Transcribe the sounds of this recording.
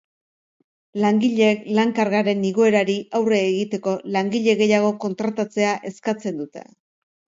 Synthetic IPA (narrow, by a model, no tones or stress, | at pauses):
laŋɡiʎeeklaŋkaɾɣaɾe̞niɣoe̞ɾaɾiʔawre̞ːɣit̪e̞ko̞laŋɡiʎe̞ɣe̞jaɣ̞o̞ko̞nt̪ɾat̪at͡se̞aʔe̞skat͡se̞nd̪ut̪e̞̰